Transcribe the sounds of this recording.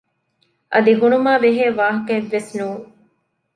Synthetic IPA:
ʔɐ̰d̪iɦunumaːʋeɦeːʋaːɦɐkɐʋːesnuːŋ

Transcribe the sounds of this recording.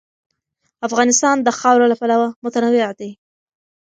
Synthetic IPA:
afɣɑnɪst̪ɑnd̪əxɑwɾolapalawamʊt̪anawɪad̪i

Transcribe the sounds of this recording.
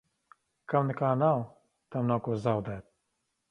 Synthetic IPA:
kɐmnɨkaːnaw | t̪ɐmnawkozaːwd̪ɛt̪̚

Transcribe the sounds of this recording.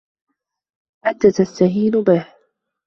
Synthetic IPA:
ħat̪ːaːt̪ast̪aɦiːnʊbɪh

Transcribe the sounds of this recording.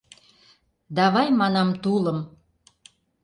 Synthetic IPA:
d̪ɑβɑjmɑnɑmt̪uləm

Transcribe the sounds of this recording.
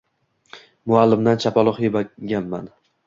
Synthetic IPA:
mʊalːɪmd̪ant͡ʃʰapʰɒlˠʊχjebaɡʲanma̰n

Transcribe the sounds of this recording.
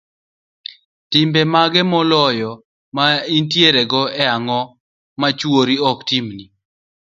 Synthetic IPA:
tɪmbɛmaɡɛmɔlɔjɔ | maintjeɾɛɡɔɛaŋɔ | mat͡ʃwoɾiɔktimni

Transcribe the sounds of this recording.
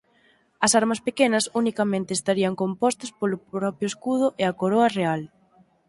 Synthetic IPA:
ɐsaɾmɐspekenɐsunikɐmẽnt̪eːst̪aɾiɐŋkompɔst̪ɐspolʊpɾɔpjʊeskuð̞ʊʔeɐkoɾɔɐreal

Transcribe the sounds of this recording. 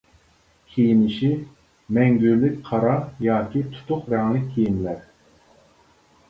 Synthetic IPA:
kʲʰejinɪʃi | mɛŋɡʲyɾlɪkʲqʰɑɾɑjɑːkʲit̪ʰu̥t̪ʰʊqɾɛŋlɪk̚ʲʰːejinlæɾ

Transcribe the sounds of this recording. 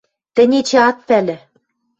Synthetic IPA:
t̪ɘ̆nʲet͡ɕeɑt̪̚pælɘ̆

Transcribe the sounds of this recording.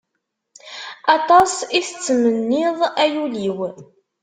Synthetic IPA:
ɑt̪ˤɑsiθət͡sːmənːɪðˤæjuliw

